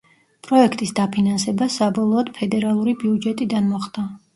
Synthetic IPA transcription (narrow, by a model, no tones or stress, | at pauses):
pʼɾɔɛkʰt̪ʼisd̪apʰinansɛbasabɔlˠɔːd̪̥pʰɛd̪ɛɾalˠuɾibiud͡ʒɛt̪ʼid̪anmɔχd̪a